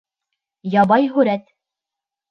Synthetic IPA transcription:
jɑbɑjɦʉɾæt̪

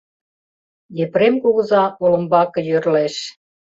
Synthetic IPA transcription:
jepɾemkoɣə̆zɑolə̆mbɑkɤ̆jørleʃ

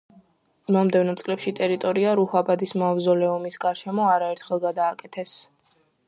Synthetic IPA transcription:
mɔmd̪ɛvnɔt̪sʼlɛpʃit̪ʼɛɾit̪ʼɔɾiaɾuhabad̪ismavzɔlɛɔmisɡaɾʃɛmɔaɾaɛɾt̪ʰχɛlˠɡad̪aːkʼɛt̪ʰɛs

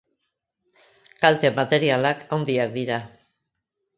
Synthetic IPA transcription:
kalt̪e̞mat̪e̞ɾialakʰawnd̪iak̚d̪iɾa

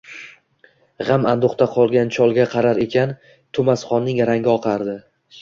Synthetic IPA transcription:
ʁɑmand̪oχt̪aqʰɒlˠɡʲant͡ʃʰɒlˠɡʲaqʰɑɾaɾe̞kʲʰan | t̪ʰʊmasχɒnːɪŋjaɾaŋɡʲɪɒqʰɑɾd̪ɪ

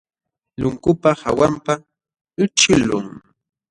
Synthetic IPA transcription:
lʊŋkʊpaha̰wampa | ɪʈ͡ʂɪlʊ̰ŋ

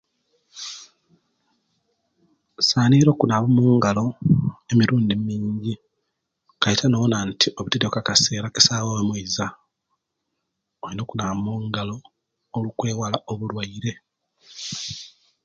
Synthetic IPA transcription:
saːniɾo̞ːkunaβomuːŋɡalo̞e̞miɾuːndimmiːɲɟi | kajitʰanonantiʔo̞βutedekakase̞ːɾaki̥saːwowemwuiza | oɾino̞ːkunamuːŋɡalo̞ː | lukwe̞ːwalaʔoβulwaiɾe̞

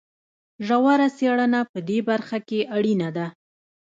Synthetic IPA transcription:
ʒawaɾaseɽənapəd̪ebaɾxakeʔaɽinad̪a

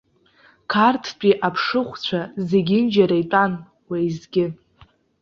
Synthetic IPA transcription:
kʰartʰpʼiʔapʰʂɨχʷt͡ɕʷʰazeɡʲɪnd͡ʒaɾajtʼan | waizɡʲɪ

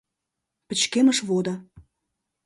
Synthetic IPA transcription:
pə̆t͡ɕkemə̆ʃβod̪ɑ

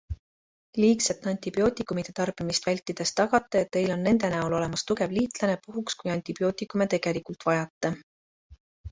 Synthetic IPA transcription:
liːkset̪ːˑɑnʲt̪ʲib̥io̞ːt̪ʲˑikːˑumid̪̥et̪ɑrb̥imist̪vælʲt̪ːˑid̪̥e̞st̪ɑɡɑt̪ːˑeet̪ːe̞jlo̞nːe̞nd̪̥e̞næulo̞le̞mɑst̪uke̞vliːt̪ˑlɑne̞puɦukskujɑnʲt̪ib̥ijo̞ːt̪ˑikːˑume̞t̪e̞ɡ̥e̞likult̪vɑjɑt̪ˑːe

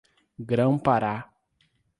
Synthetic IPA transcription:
ɡɾɐ̃w̃paɾa

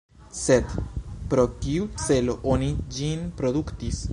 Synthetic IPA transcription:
sɛt̪pɾɔkiut͡sɛloʔɔnid͡ʑinpɾod̪ukt̪is

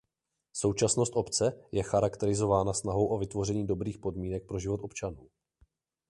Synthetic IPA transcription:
so̞wt͡ʃasnost̪ʔo̞pt͡sɛjɛxaɾakt̪ɛɾɪzo̞vaːnasnaɦo̞wʔovɪt̪vo̞rɛɲiːdo̞bɾiːxpo̞dmiːnɛk̚pɾo̞ʒɪvo̞t̪o̞pt͡ʃanuː

